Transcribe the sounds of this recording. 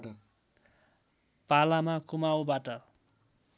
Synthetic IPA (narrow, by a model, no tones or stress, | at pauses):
palamakumawbaʈʌ